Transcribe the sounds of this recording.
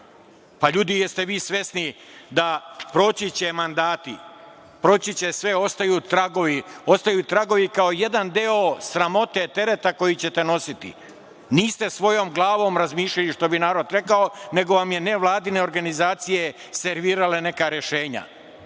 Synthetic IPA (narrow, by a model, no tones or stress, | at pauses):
paʎuːd̪ijest̪e̞ʋiːsʋe̞sni | d̪apɾo̞t͡ɕit͡ɕemand̪aːt̪i | pɾo̞t͡ɕit͡ɕesʋeo̞st̪ajuːt̪ɾaɡoʋio̞st̪ajuːt̪ɾaɡo̞ʋikaoje̞d̪and̪eosɾamo̞t̪et̪e̞ɾe̞t̪ako̞jit͡ɕe̞t̪e̞no̞sit̪ḭ | niːst̪e̞sʋo̞jo̞ːmɡlˠaːʋo̞ːmɾazmiːʃʎaliʃt̪o̞binaːɾo̞d̪ɾe̞kaone̞ɡo̞ʋamje̞ne̞ʋlˠaːd̪ine̞oɾɡanizaːt̪sije̞ | se̞ɾʋiːɾalene̞kaɾeʃe̞ːɲa̰